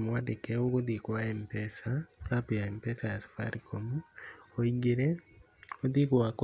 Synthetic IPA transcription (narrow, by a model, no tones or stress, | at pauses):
mwadekɛokoðikoaempɛsaɾapujaempɛsajasḁfa̰ɾikʰomuɔiɡeɾɛ | oðikoak